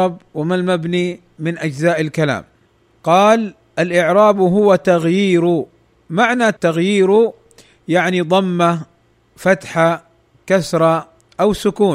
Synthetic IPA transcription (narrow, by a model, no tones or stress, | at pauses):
ɑb̚wɪmalmabni | mɪnʔad͡ʒzaːʔɪlkala̰ːm | qɑːl | ʔalʔɪʕɾˤɑːbɦʊwat̪aɣjiːɾʊ | maʕnat̪ːaɣjiːɾu | jaʕnid̪ˤɑmːa | fat̪ħa | kasɾˤɑ | ʔawsʊkuː